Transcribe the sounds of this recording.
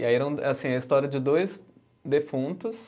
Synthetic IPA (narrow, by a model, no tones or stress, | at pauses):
aiɛɾɐ̃w̃asĩɛɐist̪ɔɾiɐd͡ʒɪd̪ojz | d̪efũnt̪ʊs